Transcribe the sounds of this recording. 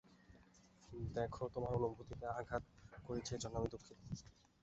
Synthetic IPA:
d̪ɛkʰot̪omaɾonombʱut̪it̪eaɡʱat̪̚koɾet͡ɕʰed͡ʑɔnːamid̪okʰːin

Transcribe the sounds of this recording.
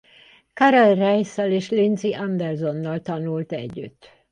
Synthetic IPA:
kɒɾolrɛjsɛleːʃlinziʔɒnd̪ɛrzo̞nːɒlt̪ɒnult̪ɛ̰ɟːy̰t̪ː

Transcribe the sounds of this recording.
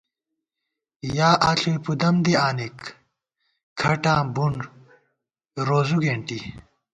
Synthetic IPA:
jaːʔaɬʰuepud̪ɐmd̪iaːnik | ɐʈãːbuɳ | ɾoːzuɡeːɳʈi

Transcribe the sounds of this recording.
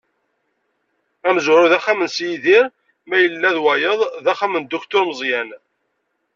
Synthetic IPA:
æməzɾʊðæχæmənsjiðiɾ | mæjəlːæðwæjəðˤðæχæmənd̪ʊkt̪ʊɾməzˤjæn

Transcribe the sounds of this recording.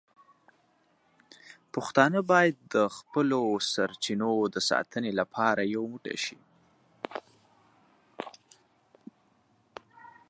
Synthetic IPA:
pʊxt̪ɑnəbɑjad̪̚ːəxpəlosaɾt͡ʃinod̪əsɑ̰t̪ʰənelapʰɑɾajawmuʈa̰ʃi

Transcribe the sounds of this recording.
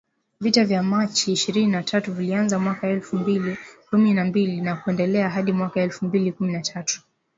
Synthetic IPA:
vitavjamat͡ʃiːʃiɾininatʰatuvilianzamwakaɛlfumbilikumininambilinakuɛndɛlɛaɦaɗimwakaɛlfumbilikuminatʰatu̥

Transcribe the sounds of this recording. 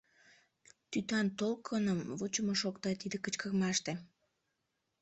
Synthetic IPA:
t̪yt̪ɑnt̪olkʰːənəmvut͡ɕəmoʃokt̪ɑt̪id̪ekət͡ɕkərmɑʃt̪e

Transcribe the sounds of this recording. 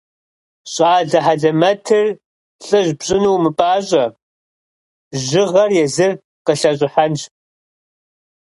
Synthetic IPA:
ɕʼaːɮɐħaɮɐmɐtʰɨr | ɬʼɨʑbɕʼɪnuwmɨpʼaːɕʼɐ | ʑɪʁɐrjɛzɨr | qəɬɐɕʼɪħanɕ

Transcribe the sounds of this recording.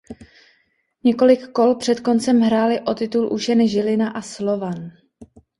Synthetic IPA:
ɲɛko̞lɪkːo̞lpr̥ɛt̪ko̞nt͡sɛmɦɾaːlɪʔo̞t̪ɪt̪ulʔuʃɛnɛʒɪlɪnaʔaslo̞van

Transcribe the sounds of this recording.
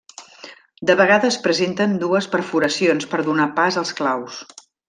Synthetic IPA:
d̪əβəɣ̞aðəspɾəzent̪ənd̪uəspəɾfuɾəsionspəɾðunapazəlˠsklaws

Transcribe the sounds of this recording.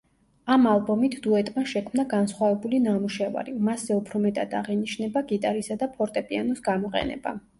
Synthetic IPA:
amalˠbɔmit̪ʰd̪uɛt̪ʼmaʃɛkʰmnaɡansχwavɛbulinamuʃɛva̰ɾimaszɛupʰɾɔmɛt̪ʼad̪aʁɛniʃnɛbaɡit̪ʼaɾisad̪apʰɔɾt̪ʼɛpʼianɔsɡamɔqʼɛ̰nɛ̰ba̰

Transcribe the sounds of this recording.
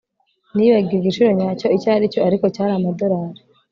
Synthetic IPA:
niβaɡiɾɡit͡ʃiɾo̞ɲaːco̞icaːɾicoaɾiko̞caːɾamadoɾaːɾi

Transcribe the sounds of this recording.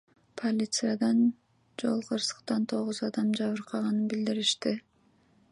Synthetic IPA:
pʰolʲit̪sɨjad̪ɑn | d͡ʒo̞̰lˠqʰɯɾsɯ̥qt̪ɑnt̪ʰo̞ʁuzɑd̪ɑmd͡ʒɑβɯɾqʰɑʁɑnɯnbild̪iɾiʃt̪i

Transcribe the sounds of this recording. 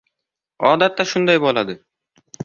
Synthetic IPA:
ɒːd̪at̪ːaʃʊnd̪ɑjbɒlˠad̪ɨ

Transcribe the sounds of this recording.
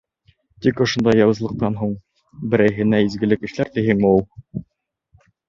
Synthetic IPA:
t̪ikŏʃŏnd̪ɑjːɑwɤ̆zlˠɤ̆q̚t̪ɑnɦuɴ | bɘ̆ɾæjɦɘ̆næizɡɘ̆lɘkɘ̆ʃlæɾt̪iɦɘŋmɘ̆ulˠ

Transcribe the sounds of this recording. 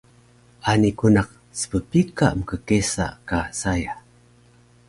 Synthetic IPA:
anikunaq̚ | sə̥pəpika̰ʔməkəkesa̰ʔkasaja

